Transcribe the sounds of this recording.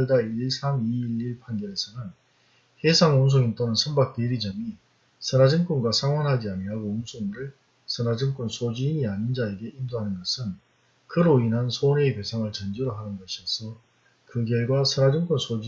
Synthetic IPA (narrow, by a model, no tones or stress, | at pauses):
ɭdaiɭsʰamiːɭiɭpʰanɡjʌɾe̞sʰʌnɯn | hesʰaŋums̬ʰoŋint͈onɯnsʰʌmbak̚t͈eɾid͡ʑʌmi | sʰʌnad͡ʑɯŋk͈unɡwasʰaŋwanɦad͡ʑiaɲiɾaɡoumsʰoŋɾɯɭ | sʰʌnad͡ʑɯŋk͈unsʰod͡ʑiːɲiaɲind͡ʑae̞ɡe̞ʔimdoɦanɯnɡʌsʰɯn | kɯɾoinɦansʰoneipe̞sʰaŋɯɭt͡ɕʌnd͡ʑiɾoɦanɯnɡʌɕʰiʌsʰʌ | kɯɡjʌɭɡwasʰʌnad͡ʑɯŋk͈unsʰod͡ʑ